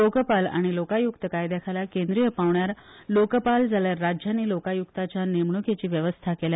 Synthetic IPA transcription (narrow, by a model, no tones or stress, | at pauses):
okəpala̰ɽ̃ilokajukt̪əkajd̪ekʰajlakend̪ɾijəpaʋɳjaɾ | lokəpald͡zʱaljaɾːad͡ʑjaniːlokajukt̪at͡ɕjanemɳuket͡ɕiːʋjəʋəst̪ʰakelja